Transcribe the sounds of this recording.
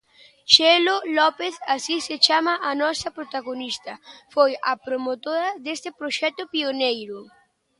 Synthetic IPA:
ʃelolɔpeθasiset͡ʃamɐʔanɔsɐpɾot̪aɣonist̪ɐfojɐpɾomot̪oɾɐd̪est̪ɪpɾoʃɛt̪ʊpionejɾʊ

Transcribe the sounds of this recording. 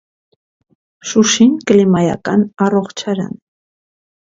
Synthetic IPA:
ʃʊʃɪŋklɪmaja̰kanɑroχt͡ʃʰaɾa̰n

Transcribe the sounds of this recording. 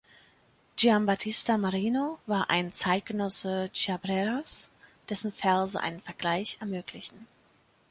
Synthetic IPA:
d͡ʒiambatʰɪstamaʁiːnovaːɐʔa̰ɪnt͡saɪt̚ɡ̥ənɔsət͡ʃabʁɛʁasd̥ɛsn̩fɛɐzəʔa̰ɪnənfɛɐɡlaɪçɛɐmøːkʰlɪçn̩

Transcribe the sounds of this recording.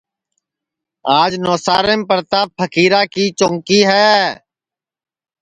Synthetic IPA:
aːd͡ʒnɔːsaːɾempəɾt̪aːpʰəkiːɾaːkiːt͡ʃõŋkiːɦɛː

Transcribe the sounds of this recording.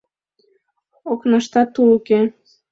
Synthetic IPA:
oknɑʃt̪ɑt̪ːuuke

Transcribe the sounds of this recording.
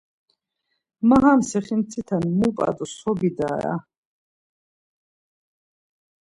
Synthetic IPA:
maɦamsɛχint͡s̪ʰit̪ʰanmupʼa̰d̪usɔbid̪aɾa̰

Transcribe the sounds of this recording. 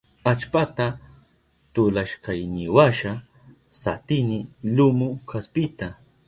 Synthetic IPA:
at͡ʃpat̪a | t̪ʊlaʃkajnɪwaʃa | sat̪ɪnɪlʊmʊkʰaspɪt̪a

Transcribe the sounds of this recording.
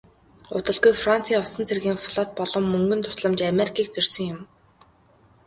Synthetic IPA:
ʊ̰t̪ə̆ɮɣujfran̥t͡sʰiːʊsə̆nt͡sʰerɣiːŋfɮɔt̪̚pɔɮɞ̆mːɵŋɡɵ̆nt̪ʰʊ̥sɮə̆mt͡ɕameɾikʰiːk̚t͡sɵrʲsɵ̆ŋjʊm

